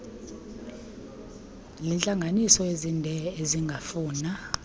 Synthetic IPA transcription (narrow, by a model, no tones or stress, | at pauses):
lɛnt͡ɬʼaŋɡʱanisɔezindʱɛeziŋɡʱafuːna